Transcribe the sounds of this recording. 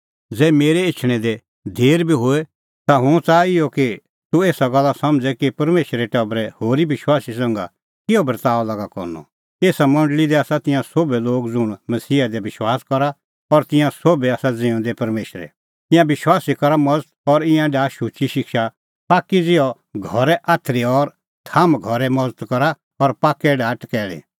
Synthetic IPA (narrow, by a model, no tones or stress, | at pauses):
d͡zɛːmeːɾɛɪt͡ʃʰɽ̃ɛ̃d̪ɛ | d̪ʱeːɾbʱiɦoːɛ | t̪aɦʊ̃t͡saːɪjɔki | t̪ueːsaɡɐlːasɐ̃md͡zɛkipɐɾmeːʃɾɛʈɐbɾɛhoːɾibɪʃwaːsis̬ãŋɡa̰ | kɪjɔbɐɾt̪aːɔlɐɡakɔ̰ɾnɔ̰ | eːsamɐ̃ɳɖlid̪ɛaːsat̪ɪ̃jãsoːbɛloːɡd͡zʊɽ̃mɐsiːad̪ɛbɪʃwaːskɔɾa | ɔɾt̪ɪ̃jãsoːbɛaːsad͡zẽːʊ̃d̪ɛpɐɾmeːʃɾɛ̰ | t̪ɪ̃jãbɪʃwaːsikɔɾamɔd͡zət̪̚ɔɾɪ̃jãɖaːʃut͡ʃiʃɪkʃa | paːkːid͡zɪjɔ | ɡʱɔɾɛʔaːt̪ʰɾiɔɾ | t̪ʰamɡʱɔɾɛmɔd͡zt̪kɔɾa | ɔɾpaːkːɛɖaːʈkɛːl̃ḭ̃